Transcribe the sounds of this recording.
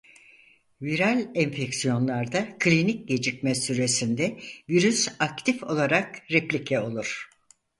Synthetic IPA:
viɾalʲɛɱfeksijo̞nlˠaɾd̪akʰlʲinic̚ɟe̞d͡ʒicmɛsyɾe̞sind̪ɛviɾysakt̪ʰifo̞lˠaɾakɾeplʲicʰɛo̞lˠuɾ̥

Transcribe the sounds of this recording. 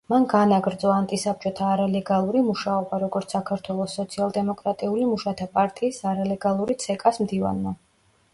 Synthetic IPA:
manɡanaɡɾd̪zɔant̪ʼisap̚t͡ʃʼɔt̪ʰaːɾalɛɡalˠuɾimuʃaɔbaɾɔɡɔɾt̪ssakʰaɾt̪ʰwɛlˠɔsːɔt̪sʰialˠd̪ɛmɔkʼɾat̪ʼiulimuʃat̪ʰapʼaɾt̪ʼiːsaɾalɛɡalˠuɾit̪sʰɛkʼasmd̪iva̰nma

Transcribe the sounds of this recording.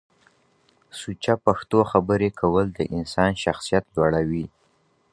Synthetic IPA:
sut͡ʃapaxt̪oxabəɾekʰawəld̪əʔɪnsɑnʃaxsijat̪lwaɽawi

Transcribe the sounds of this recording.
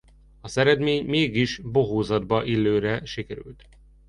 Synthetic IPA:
ɒzɛɾɛd̪meːɲmeːɡiʃboɦoːzɒd̪bɒʔilːøːɾɛʃikɛɾy̰lt̪

